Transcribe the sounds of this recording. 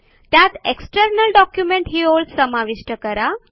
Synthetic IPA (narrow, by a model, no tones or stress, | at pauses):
t̪jat̪eksʈəɾnəlɖɔkjumẽɳʈɦiːɦoldsəmaʋiʂʈəkəɾa